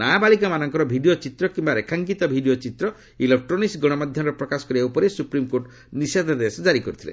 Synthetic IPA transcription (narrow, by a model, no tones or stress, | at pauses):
naabaɭikamanɔŋkɔɾɔbʱiɖiot͡ʃit̪ɾɔkimbaɾekʰaŋkit̪ɔbʱiɖijot͡ʃit̪ɾɔ | ilek̚ʈɾɔnisɡɔɽ̃ɔmad̪ʱjɔmɾepɾɔkasɔ̥kɔɾiaupɔɾesupɾimkoɾʈ | nised̪ʱɔd̪esɔd͡ʒaɾikɔɾut̪ʰilḛ